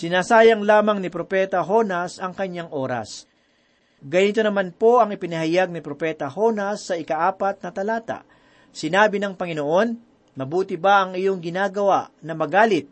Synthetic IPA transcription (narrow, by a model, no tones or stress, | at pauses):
sɪnaːsaːjɐŋlaːmɐŋnɪpɾopɛːt̪ɐɦo̞nɐsʔɐŋkɐɲːaŋʔo̞ːɾɐ̰s | ɡɐniːt̪onɐmanpo̞ʔɐŋɪpɪnɐhɐjaɡ̚nɪpɾopɛːt̪ɐho̞nɐsːɐʔɪkɐʔaːpɐt̪̚nɐt̪ɐlaːt̪a̰ʔ | sɪnaːbɪnɐŋpɐŋɪnoʔo̞n | mɐbuːt̪ɪbaʔɐŋɪjoŋɡɪnaːɡɐwaʔnɐmɐɡaːlɪt̪̚